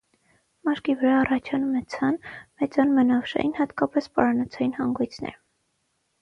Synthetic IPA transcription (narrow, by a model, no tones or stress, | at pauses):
mɑɾkivəɾɑːrɑt͡ʃʰɑnumɛt͡sʰɑnmɛt͡sɑnmənɑfʃɑ̰jʔinhɑt̪kɑpɛspɑɾɑnɑt͡sʰɑjinhɑŋɡujt͡sʰnɛ̰ɾ